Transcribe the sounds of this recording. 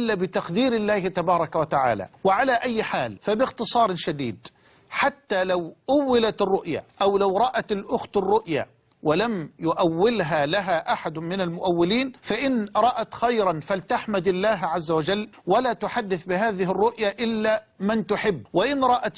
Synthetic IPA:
ɪlːabɪt̪aqd̪iːɾɪlːaːhɪt̪abɑːɾˤɑkawat̪aʕa̰ːla̰wɪʕalaʔajːħaːlfabɪɣt̪ɨsˤɑːɾˤʃad̪ḭːd̪ | ħat̪ːalawʔʊwːɪlat̪ɪrˤːʊʔja̰ʔawlawɾˤɑʔat̪alʔʊxt̪ɪrˤːʊʔja̰ | wɪlamjʊʔawːɪlɦalaɦaʔaħad̪ʊmɪnalmʊʔawːɪliːnfaʔɪnɾˤɑʔat̪xajɾˤɑnfalt̪aħmad̪ɪlːaːɦʕazːawad͡ʒalːwalaːt̪ʊħad̪ːɪθbɪɦaːðɪɦɪrˤːʊʔjaʔɪlːa | mant̪ʊħɪbːwɪʔɪnɾˤɑʔat̪

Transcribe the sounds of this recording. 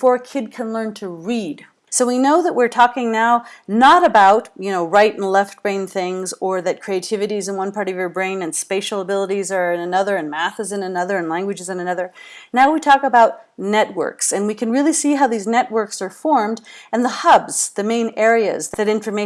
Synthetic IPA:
fɔɹkʰɪd̚kʰɨ̃nlɜ̃˞ntʰɨɹid̥ | soʊwinoʊðəʔ̚wɪɹtʰɔkɪ̃ŋnaʊnəɾɨbaʊtjɨnoʊɹaɪɾn̩lɛft̚b̥ɹẽɪ̃nθɪ̃ŋzə˞ðɨt̚kʰɹ̥ieɪtʰɪvɨɾizɨ̃nwʌ̃npʰɑɹɾʌvjə˞bɹẽɪ̃nɨ̃nspeɪʃl̩ˠəbɪlˠəɾizə˞ɨ̃nɨnʌðə˞ɨ̃nmæθɨzɨ̃nɨnʌðə˞ɨ̃nlæ̃ŋɡwɨd͡ʒɨzɨ̃nɨnʌðə˞naʊwitʰɔkəbaʊt̚nɛt̚wɜ̰˞ksɨ̃nwikʰɨ̃nɹɪlˠisiɦaʊðiznɛʔ̚wɜ˞ksə˞fɔɹmdɨ̃nðəhʌbz̥ðɨmẽɪ̃nɛɹiɨ̰zððɨɾɪ̃ɱfə˞meɪ

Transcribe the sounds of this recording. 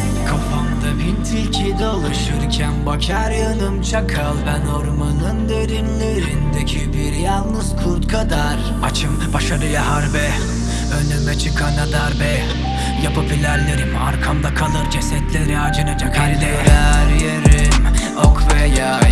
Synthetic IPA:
kʰafamd̪abint̪ʰilʲcʰid̪ɛalˠɯʃɯɾcʰænbacʰaɾjanɯmt͡ʃʰakʰalˠbænoɾmanɯnd̪e̞ɾinlʲeɾind̪ecʰibiɾjalˠnɯzkʰuɾt̪kʰad̪aɾ | at͡ʃʰɯmbaʃaɾɯjaɦaɾbɛ | ønʲd̪ymɛt͡ʃʰɯkʰanad̪aɾbɛ | japapilʲæɾlʲːeɾima̰ɾkʰamd̪akʰalˠɯɾd͡ʒesɛt̪lʲeɾiad͡ʒɯnad͡ʒakʰaɾd̪ɛɾæɾjeɾim | okʰvɛja

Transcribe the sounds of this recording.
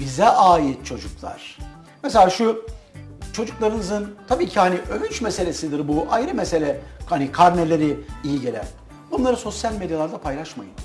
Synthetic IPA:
bizɛʔaːjit̪̚t͡ʃʰo̞d͡ʒuklˠa̰ɾ̥ | meselʲaːʃu | t͡ʃʰo̞d͡ʒuklˠaɾɯnɯzɯnt̪ʰabiːcʰihaniʔøvynt͡ʃmese̞lʲe̞sid̪iɾbuʔajɾɯmese̞lʲɛhanikʰaɾnelʲe̞ɾiijiɟelʲæ̰n | bunlˠaɾɯso̞sjalʲmed̪jalˠaɾd̪apʰajlˠaʃma̰jɯn

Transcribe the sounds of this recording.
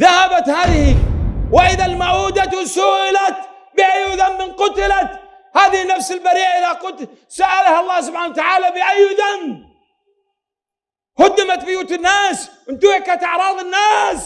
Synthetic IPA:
ðahabat̪haːðɪhiwɪʔɪðalmaʕuːd̪at̪wsʊɣʔɪlat̪ | bɪʔajːʊðamːɪnqʊt̪ɪlat̪ | haːðɪhɪnːafsɪlbaɾiːʔaʔɪðaqʊt̪ | saʔalahaɑlˤːɑːhs̬ʊb̥ħaːnawat̪aʕaːlabɪʔajːðam | hʊd̪ːɪmat̪̚bʊjuːt̪ɪnːaːsɪnt̪uakːat̪ʔɑʕɾˤɑːðˤɪnːaːs

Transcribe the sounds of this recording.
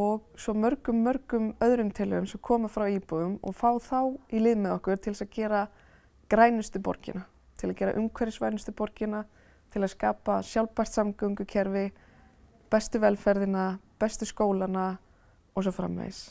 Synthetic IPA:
ɔɣsɔmœɾkʏmːœɾkʏmœðɾʏmt̪ʰɪlʏʏmsɛmkʰɔːmafɾawiːpɔʏmɔ̰ɣfaːwθawilɪðmɛðɔhkʏɾ̥t̪ʰɪlsaðcɛːɾa | kɾaːjnʏst̪ʏpɔ̰ɾcɪ̰na | t̪ʰɪlaðcɛːɾa̰ʔʏmkʰvɛɾɪsvajnʏst̪ʏpɔɾcɪna | t̪ʰɪlaðskaːpasjawlpajr̥t̪samkaŋkʏcʰɛɾvɪ | pɛst̪ʏvɛlfɛɾðɪnapɛst̪ʏskoːwlana | ɔɣs̬ɔfɾa̰mːɛ̰ð̰s

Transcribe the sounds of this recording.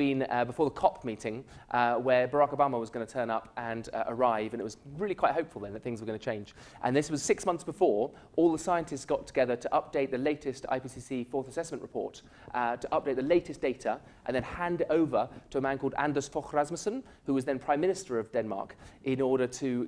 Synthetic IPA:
ĩnbɨfɔɹðəkʰɑpmiɾɪ̃ŋʔwə˞bə˞akoʊbɑməwʌzɡʌnətʰɜ̃˞nʌpʔɨ̃nə̰˞aɪvɨ̃nɨʔ̚wʌzɹɪlikʰwaɪt̚ɦoʊpfl̩ˠðə̃nðət̪̚θɪ̃ŋzwə˞ɡʌnɨt͡ʃʰẽɪ̃nd͡ʒ | ʔə̰̃nðɪswʌz̥sɪksmʌ̃nθsb̥əfɔɹ | ʔɔlˠðəsaɪɨ̃ntʰɨstsɡ̥ɑtʰəɡ̥ɛðə˞ɾəʔʌp̚d̥eɪt̪̚ðɨleɪɾɨsta̰ɪpisisifɔɹθəsɛsmə̃nʔɹəpʰɔ̰ɹt | tʰəʔʌp̚d̥eɪt̪̚ðəleɪɾɨsd̥eɪɾə | ʔə̃nðɨ̃nhæ̃ndoʊvə˞tʰəːmæ̃nkʰɔlˠdæ̰̃ndə˞sfɔxɹæzməsə̃n | hʉwʌzðɨ̃npʰɹ̥aɪ̃mːɪ̃nɨstə˞ʌvdɛ̃nmɑ̰ɹkʔɪ̃nɔɹɾə˞ɾʰɨ

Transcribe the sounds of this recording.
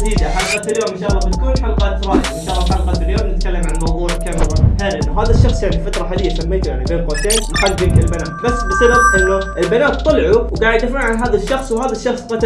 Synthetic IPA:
t̪iːd͡ʒaħalqɑt̪ɪljoːmɪʃaːlˤːɑbɪt̪kuːnħalqɑt̪ɾˤɑːjɪbmɪnʃaːlːɑħalqɑːt̪ɪljoːmnɪt̪kalːamʕanlmɑwðˤuːʕlkamɪɾˤɑheːɾʔɪnːʊɦaːðaʃːɑxsˤjaʕnifat̪ɾˤɑħaːlɪjːasamːeːt̪ujaʕnibeːnqot̪eːnnħaɡɪkɪlbanaːmbasːbɪsababʔɪnːʊʔɪlbanaːt̪̚t̪ˤːɑlʕuwɡaːʕɪd̪ʔafaʕanɦaːðaʃːɑxsˤwhaːðaʃːɑxsˤqɑt̪

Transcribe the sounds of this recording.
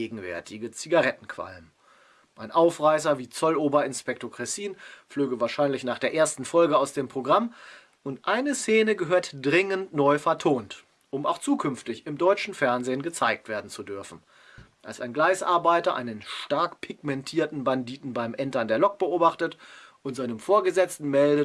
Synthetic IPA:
eːɡŋ̩vɛ̰ɐtʰɪɡət͡siɡaʁɛtn̩kʰv̥a̰lm | ʔaɪnʔaʊfʁaɪsɐviːt͡sɔloːbɐɪnspɛk̚toɐkʁ̥ɛsiːnfløːɡəvaːɐʃaɪnlɪçnaːχd̥eːɐʔeːɐstn̩fɔlɡəaʊsd̥eːmpʁ̥oɡʁam | ʔʊntʔaɪnəseːnəɡəɦøːɐtd̥ʁɪŋəntnɔʏfɛɐtʰoːnt | ʔʊma̰ʊxt͡suːkʰʏnftɪçɪmdɔʏt͡ʃn̩fɛɐnzeːənɡət͡saɪk̚tv̥eːɐdn̩t͡sudʏɐfn̩ | ʔa̰lsaɪnɡlaɪsʔa̰ɐbaɪtɐʔa̰ɪnənʃtaɐkpʰɪɡ̚mɛntʰiːɐtn̩bandiːtn̩baɪmʔɛntɐndeːɐlɔk̚b̥əoːbaχtətʔʊntz̥aɪnəmfoːɐɡəzɛt͡stn̩mɛldə

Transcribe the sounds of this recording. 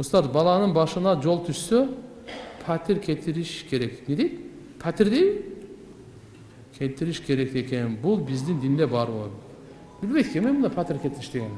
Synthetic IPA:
must̪ɑɾt̪bɑlˠɑnɯnbɑʃɯnɑd͡ʒo̞lˠt̪ʰyʃsø | pʰat̪ʰiɾkʲʰet̪ʰiɾiʃkʲʰe̞ɾekned̪ejt̪ | pʰat̪iɾd̪eji | kʲʰet̪iɾiʃkʲʰe̞ɾek̚t̪ekʲenbulˠbizd̪ind̪ind̪ebɑɾbolˠd̪u | bilʲbet̪kʲemebund̪ɑpʰat̪iɾkʰʲet̪ʰiɾiʃd̪eɡʲen

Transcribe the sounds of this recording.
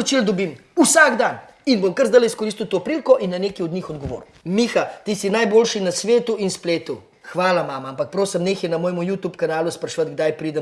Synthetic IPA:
t͡ʃild̪ɔbimusaɡd̪an | inbomkəɾzd̪ajlɛiskɔɾist̪iwt̪oːpɾilkɔʔinːɐneːkiɔd̪ɲixɔd̪ɡɔʋo̰ːɾu | mixat̪isinajboːlʃinɐsʋeːt̪uinspleːt̪u | xʋaːlamaːmaampɐk̚pɾoːsɐmneːxjɛnɐmoːjɛmujut̪jupkanaːluspɾɐʃʋat̪ɡ̚d̪ajpɾiːd̪ɛ

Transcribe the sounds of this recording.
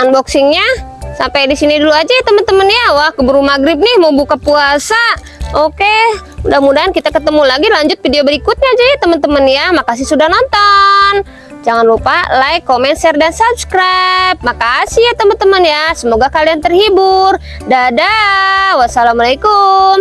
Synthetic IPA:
anbɔksɪŋɲasampajdisiniduluad͡ʒat̪əmənt̪əmənjawahkəbəɾumaɡɾɪp̚nɪhmawbukapuasa | okeudahmudaɦankit̪akət̪əmulaɡilaɲd͡ʒʊt̪̚fideobəɾikʊt̪̚ɲaːd͡ʒat̪əmənt̪əmənjamakas̬ɪhsudahnɔnt̪ɔn | d͡ʒaŋanrupalajkomɛnsɛrdansab̚sə̥kɾap̚makasɪhjat̪əmənt̪əmənjasəmoɡakaliant̪ərhibʊr | dadawasalamalekʊm

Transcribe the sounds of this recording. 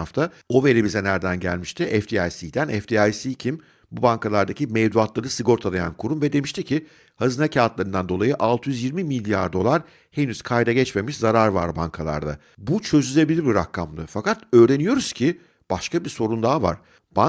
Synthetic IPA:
aft̪ʰa | o̞ve̞ɾibizɛnæɾd̪ænɟæ̰lʲmiʃt̪ʰɪʔɛfd̪iajsid̪ænʔɛfd̪iajsicʰim | bubaŋkʰalˠaɾd̪acʰimɛvd̪uat̪lˠaɾɯsɯɡo̞ɾt̪ʰad̪ˠaja̰nkʰuɾumvɛd̪e̞miʃt̪ʰicʰɪ | hazɯnacʰaːt̪lˠaɾɯnd̪and̪o̞lˠajɯʔalˠt̪ʰɯjyzjiɾmimilʲːjaɾd̪o̞lˠaɾ | henyz̥kʰajd̪aɟɛt͡ʃme̞miʃzaɾaɾva̰ɾba̰ŋkʰalˠa̰ɾd̪a̰ | but͡ʃʰø̞zyzʲe̞bilʲiɾbiɾakʰːamd̪ˠɯfakat̪ø̞ːɾe̞nijo̞ɾuz̥cʰi | b̥aʃkabiso̞ɾund̪aːva̰ɾ̥ | b̥a

